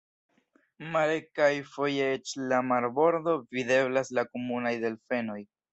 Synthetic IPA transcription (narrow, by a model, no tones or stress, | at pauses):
malekajfo̞je̞et͡ʃlamaɾbo̞ɾdo̞vide̞blaslakomunajde̞lfe̞no̞j